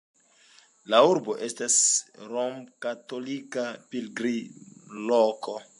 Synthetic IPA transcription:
lauɾbo̞ʔe̞stasɾomkato̞likapilɡɾiloko̞

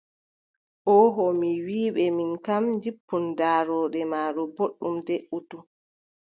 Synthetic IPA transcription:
ʔɔɦɔmiwiːɓɛminkamd͡ʒipːundaːɾɔːɗɛmaːɗɔboɗːumdɛʔutu

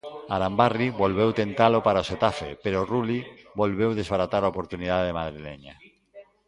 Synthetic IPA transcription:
aɾambariβolβewt̪ent̪alopaɾaoset̪afḛpeɾorulibolβewðezβaɾat̪aɾaopoɾt̪unið̞aððemaðɾilḛɲa

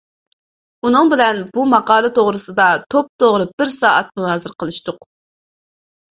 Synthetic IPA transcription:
unɨŋbɪlɛnbumɑqɑːlˠɨt̪ʰoʁɾɨsɨd̪ɑt̪ʰop̚t̪ʰoʁɾɨb̥ɪɾsɑːʔɛt̪̚munɑːzɨɾqʰəlˠɨʃt̪ʊq

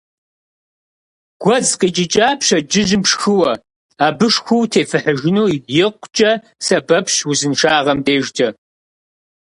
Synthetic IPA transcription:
ɡ̥ʷɔzqiːt͡ʃʼɪt͡ʃʼaːpɕɐd͡ʒɪʒɨmʂxɨwɐ | aːbɨʂxʷuːtʰeːfɨħəʒɪnuːibjɪqʷt͡ʃʼɐ | sɐbɐpɕwuzɨnʂaːʁɐmdeːʒd͡ʒʼɐ

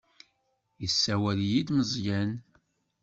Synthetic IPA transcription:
jəsːæwæljid̪məzˤjæn

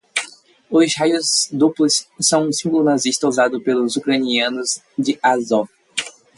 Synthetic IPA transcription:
ʊzhajʊzd̪uplʊsːɐ̃w̃ũsĩŋɡlʊnaziʃt̪ɐuzad̪ʊpelʊzukɾɐniɐ̃nʊz | d͡ʒ̪ɪazɔ

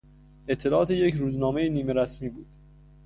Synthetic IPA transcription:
et̪ʰːe̞lɒʔɒːt̪ʰejecɾuːznɒːmejeniːmeɾæsmiːbuːd̪̥

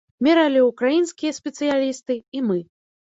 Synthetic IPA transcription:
mʲɛɾalʲiukɾajinskʲijɐsʲpʲɛt̪sɨjalʲist̪ɨimɨ

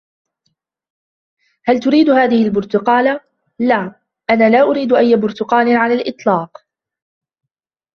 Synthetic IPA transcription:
halt̪ʊɾiːd̪haːðɪhɪlbʊɾt̪ʊqɑːla | laː | ʔanaːlaːʔʊɾiːd̪ʔajːabʊɾt̪ʊqɑːlɪnʕalaːlʔɨt̪ˤlɑːq

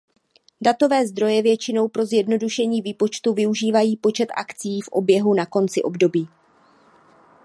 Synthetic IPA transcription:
dat̪o̞vɛːzd̪ɾo̞jɛvjɛt͡ʃɪno̞wpɾo̞zjɛdno̞duʃɛɲiːviːpo̞t͡ʃt̪uvɪuʒiːvajiːpo̞t͡ʃɛt̪ʔa̰kt͡sijiːfʔo̞bjɛɦunako̞nt͡sɪʔo̞bdo̞biː

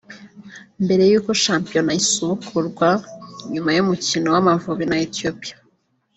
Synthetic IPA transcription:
mbe̞ɾe̞juːko̞ʃaːmpijo̞naisuβukʰuɾɡwaɲumajumucinowamaɱvuβinaetijopijḁ

